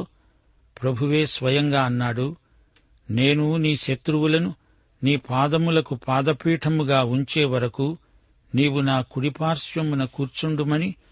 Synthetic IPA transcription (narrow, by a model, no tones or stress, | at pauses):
pɾɐbʱuʋe̞ːsʋɐjɐŋɡaːɐnːaːɽu | ne̞ːnuniːʃɐt̪ɾuwulɐnu | niːpaːd̪ɐmulɐkupaːd̪ɐpiːʈʰɐmuɡaːuɲt͡ʃeːʋɐɾɐku | niːwunaːkuɽipaːɾsʋjɐmunɐkuːɾt͡ʃuɳɖumɐni